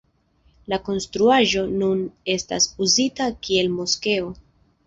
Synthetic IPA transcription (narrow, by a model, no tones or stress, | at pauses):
lako̞nstɾuaʒo̞nune̞sta̰suzitakie̞lmo̞ske̞o̞